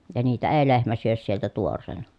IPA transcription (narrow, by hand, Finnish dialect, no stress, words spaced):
jɑ niːtæ eː lehmæ syøs sieltæ tuorˑeːnɑ